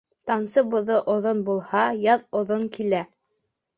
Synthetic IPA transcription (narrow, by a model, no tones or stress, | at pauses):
t̪ɑnsɤbŏðoʔŏðonbulˠhɑjɑðŏðoŋkilæ